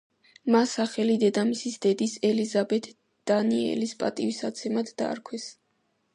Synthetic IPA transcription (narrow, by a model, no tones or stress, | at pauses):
masaχɛlid̪ɛd̪amisisd̪ɛd̪isɛlizabɛt̪ʰ | d̪̥aniɛ̰lispʼa̰t̪ʼiwisat̪sʰɛmad̪ʰd̪a̰ːɾkʰwɛs